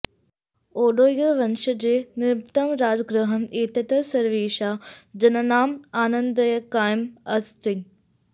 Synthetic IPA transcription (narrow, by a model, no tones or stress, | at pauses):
oːɗoːijəʋɐnʃəd͡ʑeːnɪɾt̪əmɾaːd͡ʑɡɾəɦəneːt̪ɐt̪əsɐɾʋiːʃaːd͡ʑɐnɐnaːmaːnə̃nd̪əjəkaːjmɐst̪i